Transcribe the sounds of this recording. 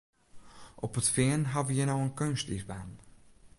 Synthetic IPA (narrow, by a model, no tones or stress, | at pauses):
ʔɔpətfɪənɦavəjənowənkønstifba̰ːn